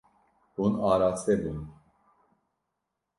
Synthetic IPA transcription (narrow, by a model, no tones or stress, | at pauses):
unaɾat͡sʰɛbun